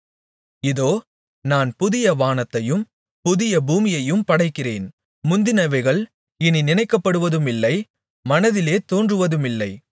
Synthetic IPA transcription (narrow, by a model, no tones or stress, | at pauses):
ɪðoː | naːnpʊðɪjɐʋaːnɐt̪ːɐjɯm | pʊðɪjɐbuːmɪjɐjɯmpɐɽɐɪkːɪrḛːn | mʊnd̪ɪnɐʋɐɪɣɐɭ | ɪninɪnɐɪkːɐpːɐɽɯʋɐðɯmɪlːɐɪ | mɐnɐðɪleːt̪oːndrɯʋɐðɯmɪlːɐɪ